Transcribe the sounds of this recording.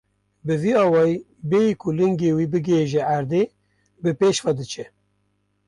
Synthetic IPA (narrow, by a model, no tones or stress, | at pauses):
bɨviːɑːwɑːi | bejikʰʊlɨŋɡeːwiːbɨɡeʒɛæɾd̪eː | bɨpeːʃχɑd̪ɨt͡ʃʰɛ